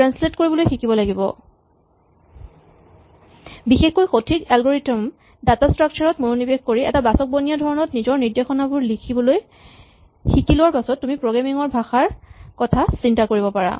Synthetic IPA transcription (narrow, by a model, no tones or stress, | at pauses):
ɹansletkoɹibɔlojxikibɔlaɡibɔ̰ | bixexkojxotʰikɛlɡoɹitɔm | datastɹak̚t͡ʃʰaɹɔtmunonibexkoɹiʔɛ̰tabasɔk̚bonijadʱɔɹɔnɔtnizɔɹniɹdexɔnabʊɹlikʰibɔloj | xikilʊwaɹpasɔtːumipɹoɡamiŋɔɹbʱaxaɹkɔtʰasintakoɹibɔpaɹa̰